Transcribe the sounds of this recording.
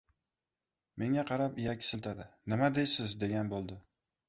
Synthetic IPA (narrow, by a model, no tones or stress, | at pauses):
me̞ŋaqʰɑɾapɪjakʲɪ̥sɪlt̪ʰad̪ɪnɪmad̪ejsɪzd̪e̞ɡʲanbolˠd̪ɪ